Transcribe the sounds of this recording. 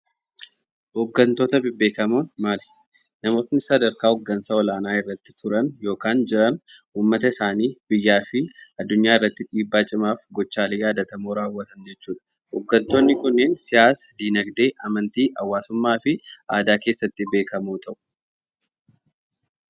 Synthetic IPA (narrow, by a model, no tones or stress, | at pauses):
hoɡːɐnt̪o̞ːt̪ɐbɪbːe̞ːkɐmuːnmaːlɪ̥ | nɐmo̞ːt̪nɪsɐd̪ɐɾkaːhɔɡːɐnsɐɔlaːnaːɪrːɐt̪ːɪ̥t̪ʰʊɾɐnjo̞ːkaːnd͡ʒɪɾɐn | uːmːɐt̪ɐɪsaːniːbɪjːaːfɪɐd̪ːʊɲːaːɪrːɐt̪ːɪᶑiːbːaːt͡ʃʼɪmaːfɡɔt͡ʃːaːlejaːd̪ɐt̪ɐmoːɾaːwːɐt̪ɐnd͡ʒɛt͡ʃːuːᶑɐ̥ | hoːɡːɐnt̪o̞ːnːɪkʊnːeːnsɪjaːsɐ̥d̪iːnɐɡd̪e̞ːʔɐmɐnt̪iːʔɐwːaːsʊmːaːfɪʔaːd̪aːke̞ːsːɐt̪ːɪbe̞ːkɐmuːt̪ʰɐʔʊ̥